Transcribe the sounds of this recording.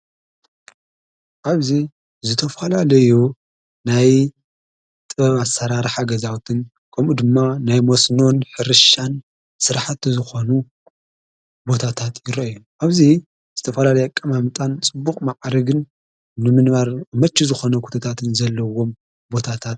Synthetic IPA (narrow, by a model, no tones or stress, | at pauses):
ʔaβzi | zɨt̪ʰɐfɐlalɐju | naj | t̪ʼɐβasːɐɾaɾħaɡɐzawt̪ʰɨn | kʰɐmud̪ɨmːanajmosno̞nħɨɾɨʃan | sɨɾħat̪zɨxo̞nu | bo̞t̪ʰat̪ʰat̪ʰjɪɾɐjuʔaβzi | z̥ɨt̪ʰɐfɐlalɐjakʼːɐmamɨt̪ʼant͡sʼɨbːukʼmaʕɾɐɡɨn | nɨmɨnβaɾmɐt͡ʃːizɨxo̞nɐkʰu̥t̪ʰɐt̪ʰat̪ʰɨnzɐlːɐwo̞m | bo̞t̪ʰat̪ʰat̪̚